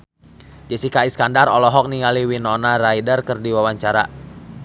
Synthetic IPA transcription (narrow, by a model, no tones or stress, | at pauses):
d͡ʒəsikaiskandaɾɔlɔɦɔk̚niŋaliwinɔnaɾajdərkərdiwawaɲt͡ʃaɾa